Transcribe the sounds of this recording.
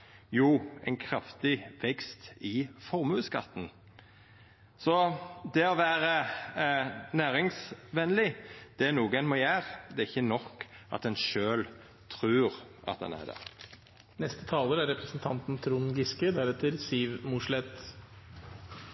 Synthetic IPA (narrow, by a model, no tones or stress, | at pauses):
juːɛ̰ɪnkʰɾɑft̪ɪʋɛkst̪ɪfɔɾmʉːskɑ̰t̪ːn̩ | sɔd̪ɛɔʋæːɾə | næːɾɪŋsʋɛnlɪd̪̥ɛæɾnuːɡəɛnmɑjæːɾd̪ɛɾɪçːənɔkːʔɑ̰t̪̚d̪ɛnʃøːl | t̪ʰɾʉːɾʔɑ̰t̪̚d̪ɛ̰næ̰ɾd̪æ̰ | nɛst̪ə̥t̪ʰɑːləɾæɾɛpɾəsnt̪ʰɑnt̪n̩t̪ʰɾuːnɡɪskəd̪æɾɛt̪ːəɾsiːʋmʊʂlɛt̪